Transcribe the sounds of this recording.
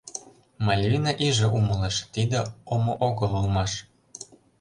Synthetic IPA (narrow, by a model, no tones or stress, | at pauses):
mɑlʲvinɑʔiʒĕʔuməleʃt̪id̪ĕomoʔoɣɤlulmɑʃ